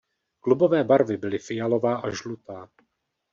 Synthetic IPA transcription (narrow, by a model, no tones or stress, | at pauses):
klubo̞vɛːbaɾvɪbɪlɪfɪjalo̞vaːʔaʒlut̪aː